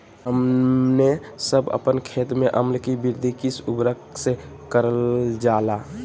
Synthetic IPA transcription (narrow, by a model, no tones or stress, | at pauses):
ɦəmne | səbə̰pənkʰeːt̪meʔəmlkibiɾd̪ʱikisubɾəkse | kəɾəld͡ʒala